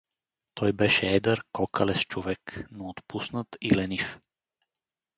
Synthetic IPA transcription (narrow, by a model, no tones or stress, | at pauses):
t̪ʰojbɛʃɛd̪aɾkokʰalɛst͡ʃuʋɛknoːt̪pusnat̪ilɛnif